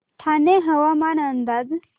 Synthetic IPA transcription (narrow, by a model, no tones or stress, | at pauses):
t̪ʰaneɦɐwamanɐnd̪ad